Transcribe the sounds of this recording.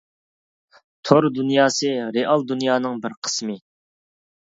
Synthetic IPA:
t̪ʰoɾd̪unjɑːsɨɾeʔɑlˠd̪unjɑːnɨŋbɪɾqʰə̥smɨ

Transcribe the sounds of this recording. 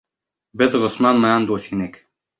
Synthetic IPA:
bɘðʁŏsmɑnmɑjɑnd̪uθinɘk

